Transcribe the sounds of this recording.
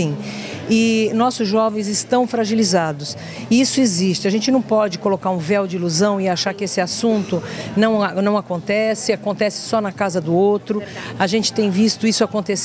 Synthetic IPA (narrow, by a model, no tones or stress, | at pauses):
ĩ | ɪnɔsʊzʒɔvẽj̃zɪst̪ɐ̃w̃fɾaʒilizad̪ʊs | isʊezist͡ʃɪaʒẽnt͡ʃɪnɐ̃w̃pɔd͡ʒɪkolokaɾũvɛwd͡ʒɪiluzɐ̃w̃ɪaʃaɾkɪesɪasũnt̪ʊnɐ̃w̃nɐ̃w̃akõnt̪ɛsɪakõnt̪ɛsɪ̥sɔnɐkazɐd̪ʊowt̪ɾʊaʒẽnt͡ʃɪ̥t̪ẽj̃vist̪ʊisʊakõnt̪es